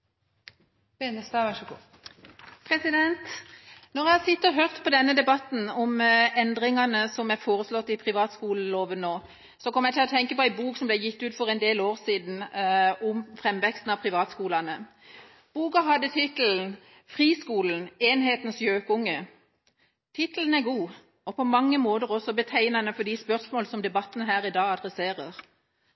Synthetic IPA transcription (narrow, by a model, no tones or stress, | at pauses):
ensɑʃɡ | pʰʁɛsɪd̪ɛnt̪nɔʁjæɪhɑsɪt̪ːəʁɦøʁt̪pʰɔd̪ɛnːəd̪ɛbɑt̪n̩ɔmɛnd̪ʁɪŋɑnəsɔmjæɪfoːʁəslɔt̪ːɪpʰʁɪʋɑːt̪skuːləloːʋənːoː | sɔkʰɔmːjæɪt̪ʰɪlɔt̪ʰɛŋkəpɔæɪbuːksɔmblɛjɪt̪ːʉːt̪fɔʁɛnd̪eːloːʁsiːd̪n̩ʊmfʁɛmːʋɛkst̪n̩ɑpʰʁɪʋɑːt̪skuːlɑnə | b̥uːkɑɦɑd̪ːət̪ʰɪt̪əln̩ | fʁiːskuːln̩eːnɦeːt̪n̩sjøːkʊŋːə | t̪ʰɪt̪əln̩æɡuː | ɔpʰɔmɑŋːəmoːd̪əʁɔsɔbət̪ʰæɪnɑnəfɔd̪ispœʁsmoːləsɔmd̪ɛbɑt̪ːənəɦæːɾɪd̪ɑːɑd̪ʁɛseːʁəʁ